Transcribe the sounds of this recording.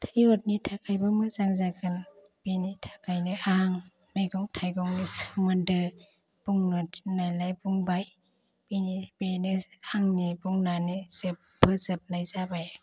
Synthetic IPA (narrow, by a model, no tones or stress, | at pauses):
t̪ʰajot̪̚nit̪ʰakʰajbɯmɯzaŋzakɯn | b̥init̪ʰakʰajnɯʔaŋ | majɡɔŋtʰajɡɔŋnisŋɔndɯ | b̥uŋnutnajlajbuŋbaj | binibinɯʔaŋnibuŋnanizɯp̚bɯzɯp̚najzabaj